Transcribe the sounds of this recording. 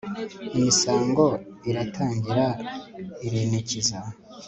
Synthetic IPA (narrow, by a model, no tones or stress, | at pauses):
imisaːŋɡo̞ | iɾatʰaːɲɟiɾa | iɾiːneciza